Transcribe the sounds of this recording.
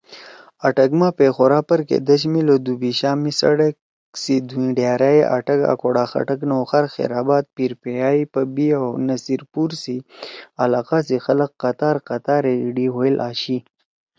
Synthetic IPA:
aʈɐkmapexoɾaːpəɾkḛd̪əɕ̬milod̪ubiɕaːmisa̰ɽek | sid̪uĩɖjaːɾajeʔa̰ʈɐka̰koɽaːxa̰ʈəknoxaɾxḛɾaːbaːt̪̚piɾpejaːipəbiawnɐsiɾpuɾsialaːqasixɐləqːat̪aːɾqat̪aːɾeɖiɦoelʔaːɕi

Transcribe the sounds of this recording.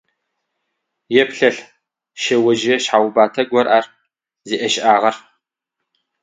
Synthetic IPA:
jɛpɬɐɬ | ʃɐwɐd͡ʒɐɕħaːwbaːtʰɐɡʷɔrʔaːr | ziːʔɐʃʔaːʁɐr

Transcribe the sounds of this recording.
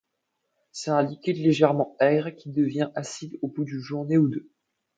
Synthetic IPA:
sɛt̪ɛ̃likʲid̪leʒɛʁmɑ̃ɛɡʁkʲid̪əvjɛ̃ʔasid̪obud̪yʒuʁneud̪ø

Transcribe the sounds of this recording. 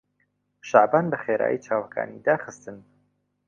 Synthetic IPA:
ʃaʕbaːnbɐxeːɾa̰ːjit͡ʃʰaːwɐkʰa̰ːnid̪aːχɨst̪ɨn

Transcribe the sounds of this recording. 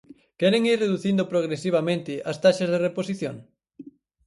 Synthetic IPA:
kɛɾɪŋiɾreðuθind̪opɾoɣ̞ɾesiβ̞amẽnt̪ɪʔast̪aʃɐzð̞ereposiθjo̰ŋ

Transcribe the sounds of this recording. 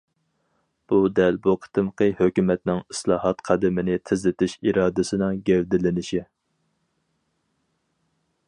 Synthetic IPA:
b̥ud̪ɛlboqʰə̥t̪ʰɨmqəhøkʲymɛt̪nɪŋɨslˠɑːhɑt̪qʰɑd̪ɨmɪnɪt̪ʰɪzlɪt̪ʰɪʃiɾɑːd̪ɪsɪnɪŋɡʲɛwd̪ɪlɪnɪʃi

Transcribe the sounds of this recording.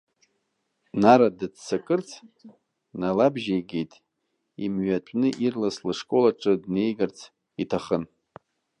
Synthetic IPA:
naɾadɨdsakʼɨrt͡sʰ | nalabʒejɡejtʼ | imɥatʷʼnɨʔirlaslɨʂkʼo̞laʈ͡ʂʼɨdne̞jɡart͡sʰ | itʰaχən

